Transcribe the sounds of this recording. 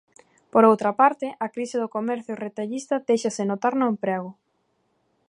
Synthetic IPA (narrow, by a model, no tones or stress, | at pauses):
poɾowt̪ɾɐpaɾt̪ɪʔɐkɾisɪðʊkomɛɾθjʊret̪aʎist̪ɐðejʃasɪnot̪aɾnõẽmpɾɛɣ̞ʊ